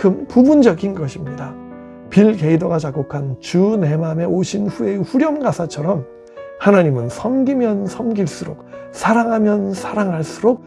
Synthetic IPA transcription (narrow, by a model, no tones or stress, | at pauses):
kɯmpubund͡ʑʌɡinɡʌɕʰimɲida | piɭke̞idoɡat͡ɕaɡokʰant͡ɕune̞mame̞oɕʰinɸue̞ɸuɾjʌmɡasʰat͡ɕʰʌɾʌm | hanaɲimɯnsʰʌmɡimjʌnsʰʌmɡiɭs͈uɾok̚sʰaɾaŋɦamjʌnsʰaɾaŋɦaɭs͈uɾok̚